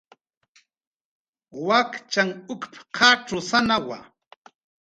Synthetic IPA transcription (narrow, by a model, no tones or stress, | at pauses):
wakt͡ʃaŋʊkpqʰaʈ͡ʂʊsanawa̰